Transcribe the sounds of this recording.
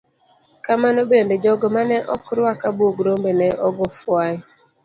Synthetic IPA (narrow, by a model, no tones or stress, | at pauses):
kamanobended͡ʒɔɡɔmanɛʔɔkɾwakabwoɡɾombenɛʔɔɡɔfwa